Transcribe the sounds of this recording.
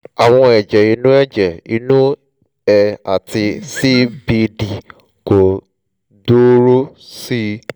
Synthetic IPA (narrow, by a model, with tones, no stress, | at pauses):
a˨w̃ɔ̃˧ɛ˨d͡ʒɛ˨i˧˦nũ˦ɛ˦˨d͡ʒɛ˨i˧nũ˦ | ɛ˧a̰˨ti˧si˦bi˧di˨ | ko˨ | do˦ɾo˦si˦